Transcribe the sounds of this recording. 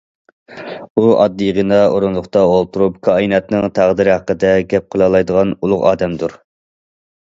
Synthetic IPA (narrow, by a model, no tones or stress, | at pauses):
uʔɑ̰d̪ːijʁənɑoɾunlˠʊχt̪ɑolˠt̪ʰuɾupkʰɑjinɛt̪nɨŋt̪ʰæʁd̪ɨɾɪhɑqːəd̪ɛɡʲɛp̚qʰəlˠɑlˠɑjd̪əʁɑnulˠʊʁɑ̰ːd̪ɛmd̪uɾ